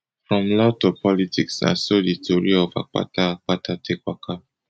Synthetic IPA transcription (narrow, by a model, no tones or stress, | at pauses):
fɹɔ̃mlɔtopɔlitiksã̰nsoditoɹiɔfa̰k͡pa̰taak͡patatekwakʰa